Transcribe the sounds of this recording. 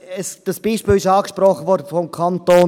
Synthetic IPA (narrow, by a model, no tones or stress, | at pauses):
əsd̥əsb̥iːʃpiːlɪʃɑːkʃpɾɔχːəvɔːɾdəfɔmkʰɑnt̪oː